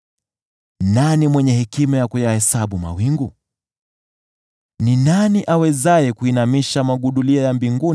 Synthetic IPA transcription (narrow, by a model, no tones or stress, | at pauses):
nanimwɛɲɛhɛkimajakujahɛsaɓuma̰wiŋɡu | ninaniʔawɛzajɛkuinamiʃamaɠuɗuliɔjambiŋɡun